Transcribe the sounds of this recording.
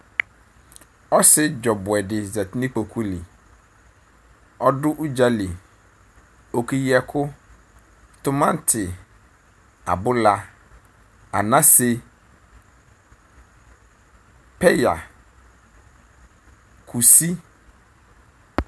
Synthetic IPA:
ɔ˦sɪ˦d͡ʒɔ˨bʊ˨ɛ˨dɪ˨zɛ˨tɪ˦nĩ˦k͡po˨kʰu˦li˨ | ɔ˦dʊ˦ʔu˦d͡ʑa˦li˨ | o˨ki˦jɛ˦kʰʊ˦ | tʊ˦mã˦n˦tʰɪ˨ | a̰˨bʊ˦la˦ | a̰˨nã˦sɪ˦ | pʰɛ˦ja̰˨ | kʰu˨si˦

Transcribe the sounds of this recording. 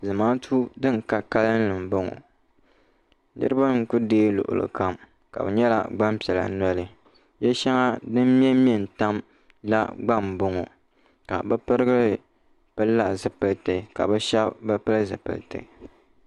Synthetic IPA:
zɨ˨maː˦tʰu˦dɨ˦˨n˨ka˦ka˦lɨ˦n̩˦lɨ˨m˨bo˦ŋo̰˨ | nɨ̰˦ɾɨ˦ba˦ŋ̩˨ku˦deː˦lʊ̰˨ʔʊ̰˨lɨ̰˨ka˦m | ka̰˨bɛ˨ɲɛ˦la̰˨ɡ͡ba˦m˦pɛ˨la̰˨nɔ˦lɨ˨ | jɛ˦ʃa˦ŋa˦dɨ˦mː˦ɛ˦mi˦˨n̩˨ta˦m | la̰˦ɡ͡ba˦˨mbo˦ŋo̰˨ | ka˨bɛ˦pɨ˦ɾɨ˦ɡɨ˦lɨ˨ | pɨ˦lːa˨zɨ˨pɨ˨ltɨ˨ka̰˨bɛ˦ʃɛ˦bbɨ˦pɨ˦lɨ˦zɨ̰˨pɨ̰˨ltɨ̰˨

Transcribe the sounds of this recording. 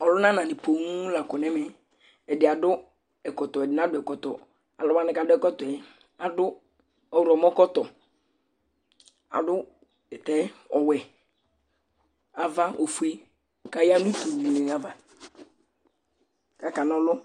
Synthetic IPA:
ɔ˨lʊ˦nã˦nã˨nɪ˨po˨ŋu˦la˨kɔ˨nɛ˦mɛ˨ | ɛ˨dɪ˨a˨dʊ˦ | ɛ˨kɔ˨t̪ɔ˨ɛ˨dɪ˨nã˦dʊ˨˦ɛ˨kɔ˨t̪ɔ̰˨ | a̰˨lɔ˦ma˦nɪ˨ka˨dʊ˦ɛ˦kɔ˦t̪ɔ˨ɛ˨ | a˨dʊ˦ | ɔ˨wʊ˨ɾɔ˨mɔ˦kɔ˦t̪ɔ˨ | a̰˨dʊ˦ | ɛ˨tɛ˨˦ɔ˨wɛ˨ | a˨va˦o˨fu˨˦e˦˨ | ka˨ja˦nũ˦to˨i˨ni˨n˨a˨va˨ | ka˨ka˨n˨ɔ˨lʊ˦

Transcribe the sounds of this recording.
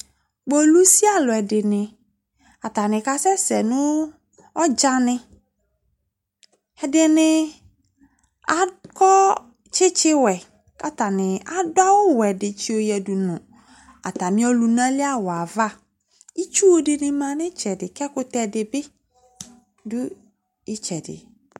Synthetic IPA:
ɡ͡bɔ˨lu˦si˦a˦lʊ˨ɛ˨dɪ˨nɪ̃˨ | a˨t̪a˨nɪ̃˨ka˨sɛ˦sɛ˨nʊ̃˦ | ɔ˦d͡ʒa˦nɪ̃˦ | ɛ˨dɪ˨nɪ̃˨ | a˨kɔ˦ | t͡ʃɪ˦t͡ʃɪ˦wɛ˨ | ka˦ta˨nɪ̃˨a˨dʊ˦a˦wʊ˦wɛ˨dɪ˨t͡ʃi˦o˨jɛ˨du˨nʊ̃˨ | a̰˨ta˨mĩ˦ɔ˦lu˨nã˦lɪ˦a˦wa˨va˦˨ | i˦t͡ʃu˦wo˦dɪ˨nɪ̃˦mã˨nɪ̃˦t͡ʃɛ˨dɪ˨kɛ˦kʊ˦tɛ˨dɪ˨bɪ˦ | dʊ˦ | ɪ˦t͡ʃɛ˨dɪ̰˨

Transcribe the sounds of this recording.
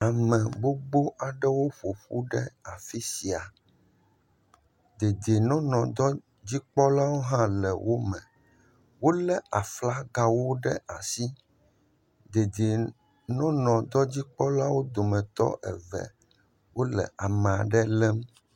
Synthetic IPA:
a˨mɛ̃˨bo˦ɡ͡bo˦ʔa˨ɖɛ˦wo˦ɸo˨ɸu˦ɖɛ̰˦a˨fi˦si˨a˨ | d̪e˨d̪e˨nɔ̃˦nɔ̃˨d̪ɔ˦ | d͡ʑi˦k͡pɔ˦la˦wo˦ɦã˦lɛ˨wʔo˦mɛ̃˨ | wo˦lɛ˦a˨fla˦ɡa˦wo˦ɖɛ˦ʔa˨si˦ | d̪e˨d̪e˨ | nɔ̃˦nɔ̃˨d̪ɔ˦d͡ʑi˦k͡pɔ˦la˦wo˦d̪o˨mɛ̃˨t̪ɔ̰˦ʔɛ̰˨vɛ̰˨ | wo˦lɛ̰˨ʔa˨mɛ̃˨a˨ɖɛ˦lɛ˦m˦

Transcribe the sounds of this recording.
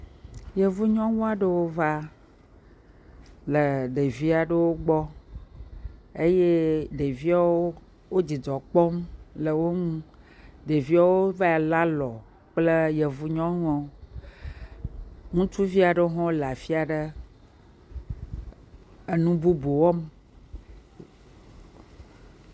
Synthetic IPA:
jə˨vu˦ɲɔ̃˦ŋũ˦a˨ɖə˦wo˦va˦ | lə˨ɖə˨vi˦a˨ɖə˦wo˦ɡ͡bɔ˦ | e˦je˦ɖe˨vi˦a˨˦wo˦ | wo˦d͡ʑi˨dɔ˨k͡pɔ˦mlə˨wo˦ŋũ˦ | ɖe˨vi˦a˦wo˦va˦a˨la˦lɔ˨ | k͡plə˦jə˨vu˦ɲɔ̃˦ŋ̃˦ɔ̃˦ | ŋũ˦t͡ʃu˦vi˦a˨ɖə˦o˦ɦɔ̃˦la˨fi˦a˨ɖə˦ | ə˨nũ˦bu˦bo˨wɔ˦m

